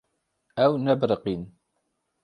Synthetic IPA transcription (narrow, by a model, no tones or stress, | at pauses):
æwnæbɾəqin